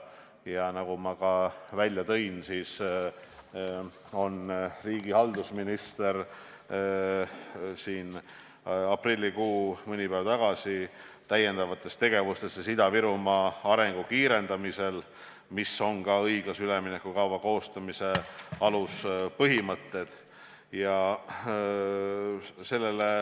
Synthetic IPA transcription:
jɑnɑɡumɑkɑvælʲjɑt̪ɤ̞jnsiːs | o̞nriːɡ̥ihɑld̪usminist̪e̞r | siːn | ɑprilʲːikuːmɤnʲipæːvɑt̪ɑɡ̥ɑsi | t̪æje̞nd̪ɑvɑt̪ːˑe̞st̪e̞ɡ̥e̞vust̪e̞ssid̪ɑviɾumɑɑɾe̞ŋɡ̥ukiːɾe̞nd̪̥ɑmise̞l | miso̞nkɑɤjɡ̥lɑsyleminekːˑukɑwvɑko̞ːst̪ɑmise̞ɑluspɤɦimɤt̪ːe̞d̪̥ | jɑ | se̞lːele

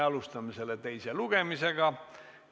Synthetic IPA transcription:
ɑlust̪ɑmise̞let̪e̞jseluɡ̥e̞mise̞ɡ̥ɑ

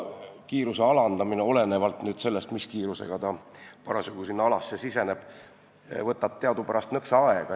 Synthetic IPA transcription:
kiːɾuse̞ɑlɑnd̪̥ɑmineo̞le̞ne̞vɑlt̪nyːd̪̥se̞lːe̞st̪miskiːɾusḛɡ̥ɑt̪ɑpɑɾɑsuɡ̥usinːɑɑlɑsːe̞sise̞ne̞b̥ | vɤt̪ːˑɑt̪ːe̞ɑd̪upæɾɑst̪nɤksɑɑe̞ɡ̥ɑ

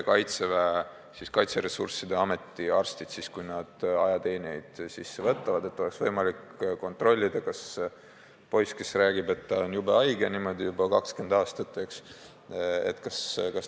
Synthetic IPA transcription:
kɑjt̪sevæe | siskɑjt̪seɾe̞sṵrsid̪e̞ɑme̞t̪ːˑiɑrst̪id̪̥siskujnɑd̪̥ɑjɑt̪e̞ːniejd̪̥sisːevɤt̪ːˑɑvɑd̪e̞t̪ˑːo̞leksvɤjmɑlik | ko̞nt̪ˑro̞lʲːid̪̥ɑkɑs | po̞jske̞sræːɡibe̞t̪ːɑonjubɑɑjɡenimo̞d̪ijubɑkɑkske̞nd̪̥ɑːst̪ɑt̪ːˑeks | ḛt̪ːˑkɑskɑs

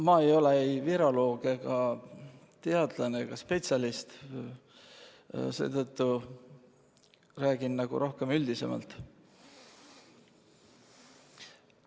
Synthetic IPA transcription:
mɑe̞jo̞leejviɾo̞lo̞ːɡ̥eɡ̥ɑ | t̪e̞ɑd̪̥lɑne̞ɡ̥ɑspe̞t̪sʲɑlist̪ | se̞̰ːt̪ɤ̞t̪ːu | ræːɡ̥innɑɡ̥ṵɾʔo̞hke̞myld̪̥ise̞̰mɑ̰lt̪

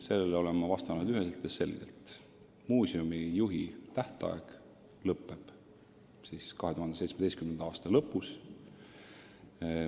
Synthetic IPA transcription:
se̞lːeleo̞le̞mːɑvɑst̪ɑnud̪yɦe̞selt̪jese̞lɡ̥ḛlt̪ | muːsiumijuɦit̪æht̪ɑ̰ḛɡ̥ | lɤpːˑe̞b̥ | siskɑɦe̞t̪uhɑnd̪esejtsmed̪ejstkymnend̪̥ɑːst̪ɑlɤpːˑus

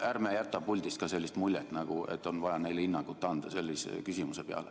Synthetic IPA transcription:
ʔæːɾmejæt̪ːˑɑpːulʲd̪̥ist̪kɑse̞lʲːist̪mulʲːjet̪ːˑnɑɡ̥ue̞̰tt̪ːˑo̞nvɑjɑne̞jlinːɑkut̪ːˑɑnd̪̥ɑse̞lʲːisḛkysʲimuse̞peɑ̰le

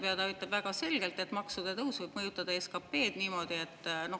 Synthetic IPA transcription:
peɑd̪ɑyt̪ˑːeb̥væɡ̥ɑse̞lɡ̥e̞lt̪e̞t̪ːˑmɑksud̪̥et̪ɤwsvɤjb̥mɤjut̪ːˑɑd̪̥ɑeskɑpːe̞ːd̪̥niːmo̞ːd̪̥ie̞t̪ːˑno̞

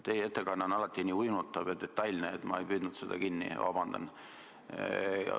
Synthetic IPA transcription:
t̪ːe̞jeet̪ːekɑnːeonːɑlɑt̪ːˑiniːujnut̪ˑːɑvet̪̚d̪̥e̞t̪ːˑɑjlʲneet̪ːmɑ̰e̞jpyːd̪nud̪sed̪̥ɑ̰kinːḭvɑ̰bɑnd̪̥ɑ̰n

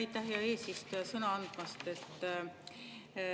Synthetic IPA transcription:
it̪ːˑæhjɑe̞ːsist̪ojɑsɤnɑɑnd̪̥mɑst̪e̞t̪ːˑ

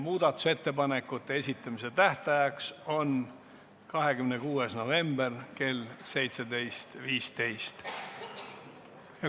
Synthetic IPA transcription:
muːd̪̥ɑt̪ːˑu̥se̞t̪ːe̞pɑne̞kːˑut̪ːeesʲit̪ˑːɑmise̞t̪æht̪ɑjɑkso̞n | kɑɦe̞kymnekuːesno̞ve̞mb̥erke̞lse̞jt̪se̞d̪e̞jst̪viːst̪e̞jst̪ | jɑ

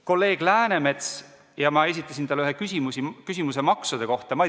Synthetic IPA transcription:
ko̞lːe̞ːɡ̥læːne̞me̞t̪s | jɑmɑe̞sit̪ːˑɑsʲint̪ɑlyɦekysʲimusikysʲimus̬e̞mɑksud̪̥e̞ko̞ht̪ɑmɑ

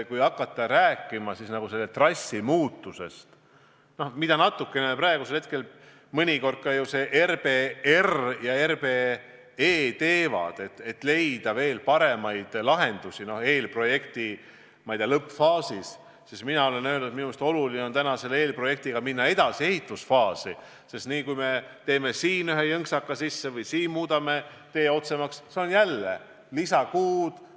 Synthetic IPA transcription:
kujɑkːˑɑt̪ːˑɑɾæːkːˑimɑsisnɑɡ̥use̞lːet̪rɑsʲːimuːt̪ːˑuse̞st̪ | no̞hmid̪̥ɑnɑt̪ːˑukːˑe̞nepræeɡuselhet̪ke̞l | mɤnʲiko̞rd̪̥̚kɑjuse̞ʔerpe̞erjɑerpe | eːt̪e̞ːvɑ̰d̪̥e̞t̪ːet̪ːˑle̞jd̪̥ɑve̞ːlpɑɾe̞mɑjd̪̥lɑɦe̞nd̪̥usino̞he̞ːlpro̞je̞kt̪i | mɑjd̪̥elɤpfɑːsis | sisminɑo̞lennøølnud̪̥̚minumest̪o̞lulineont̪ænɑse̞le̞ːlpro̞je̞k̚t̪iɡ̥ɑminːɑe̞d̪̥ɑsie̞ɦit̪ːˑusfɑːsi | sest̪niːkujme̞t̪e̞ːme̞siːnyɦejɤŋksɑkːɑsisːevɯjsiːnmuːd̪ɑme̞ | t̪e̞ːo̞t̪se̞mɑksseonjælːḛ | lisɑkuːd̪̥

